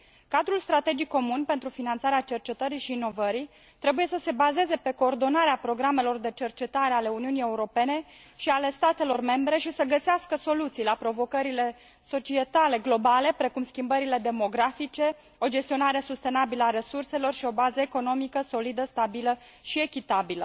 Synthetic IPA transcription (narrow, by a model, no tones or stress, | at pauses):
kad̪ɾulst̪ɾat̪e̞d͡ʒikkːo̞munpe̞nt̪ɾufinant̪saɾeat͡ʃe̞rt͡ʃe̞t̪əɾiʃiːno̞vəɾi | t̪ɾe̞buje̞səse̞baze̞ze̞pe̞ko̞ːrd̪o̞naɾeapɾo̞ɡɾame̞lo̞rd̪e̞t͡ʃe̞rt͡ʃe̞t̪aɾe̞ale̞uniunije̞uɾo̞pe̞ne̞ | ʃiale̞st̪at̪elo̞rme̞mbɾe̞ʃisəɡəseaskəso̞lut̪sijlapɾo̞vo̞kəɾile̞ | so̞t͡ʃie̞t̪ale̞ɡlo̞bale̞pɾe̞kumskʲimbəɾile̞d̪e̞mo̞ɡɾafit͡ʃe̞ | o̞d͡ʒe̞st̪io̞naɾesust̪e̞nabiləaɾe̞surse̞lo̞rʃio̞bazəeko̞no̞mikəso̞lid̪əst̪abilə | ʃie̞kʲit̪abilə